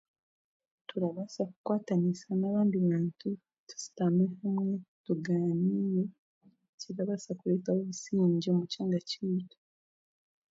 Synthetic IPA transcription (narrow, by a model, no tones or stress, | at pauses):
tuɾaβasakukwaːtanisanaβaːndiβaːntu | tu̥si̥tamehamwetuɡaːniːjo | ceɾaβasakuletawoβisiːɲɟiomucaːŋɡaciiːtḁ